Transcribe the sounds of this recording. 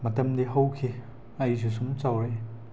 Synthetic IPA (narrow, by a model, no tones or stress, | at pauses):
mɐtɐmdiɦɐwkʰi | ɐjzus̬uŋt͡ʃawɾe